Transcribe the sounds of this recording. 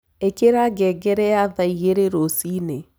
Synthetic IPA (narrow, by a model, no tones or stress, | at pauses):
ekeɾaɡɛɡɛɾɛaðaiɣeɾeɾosine